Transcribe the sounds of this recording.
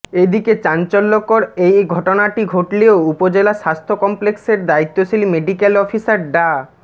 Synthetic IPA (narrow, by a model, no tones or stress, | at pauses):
ed̪iket͡ɕant͡ɕolːokoɾejɡʱɔʈonaʈiɡʱoʈleoupod͡ʑelaʃast̪ʰokɔmplekseɾd̪ait̪ːoʃelimeɖikelɔfʰisaɾɖa